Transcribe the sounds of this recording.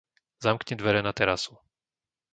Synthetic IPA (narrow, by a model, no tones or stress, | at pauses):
zamkɲɛd̪ʋɛɾɛnat̪ɛɾasu